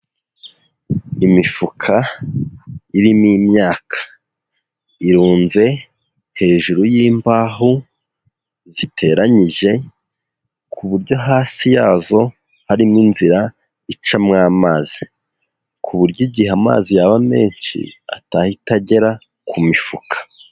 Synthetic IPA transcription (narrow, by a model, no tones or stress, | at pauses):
imifukʰa | iɾimimɲaːkḁ | iɾuːnze̞ | he̞ːʒuɾojiːmbaːɦu | zitʰe̞ɾaɲiʒe̞ | kʰuβuɾɟo̞ɦaːsijaːzo̞ | haɾiminziɾa | it͡ʃamŋaːmaːzi | kʰuβuɾɟiɟiheama̰ːzijaβame̞̰ːnʃḭa̰tahitaɟe̞ɾa | kʰumifukʰḁ